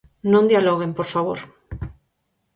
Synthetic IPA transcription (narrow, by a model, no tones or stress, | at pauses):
nõnd̪ialoɣempoɾfaβo̰ɾ